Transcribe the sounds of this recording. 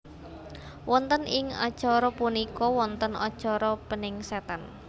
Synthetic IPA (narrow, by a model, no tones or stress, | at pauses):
wʔɔnt̪ənɪŋa̰d̥ʒ̥ɔɾɔpunikɔwɔnt̪ənɔ̰d̥ʒ̥ɔɾɔpənɪŋsɛt̪an